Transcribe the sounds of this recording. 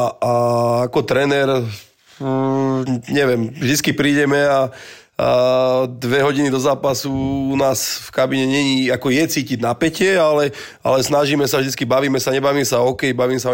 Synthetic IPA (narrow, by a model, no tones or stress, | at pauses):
aakɔt̪ɾɛnɛɾ | ɲɛʋjɛmʒd̪it͡skipɾiːɟɛmɛa | d̪ʋɛɦɔɟinid̪ɔzaːpasuunaːsfkabiɲɛɲɛɲiːakɔjɛt͡siːciɟnapɛcɪɛalɛ | a̰lɛsnaʒiːmɛsavʒd̪it͡skibaʋiːmɛsaɲɛbaʋiːmsaɔkɛjbaʋiːmsa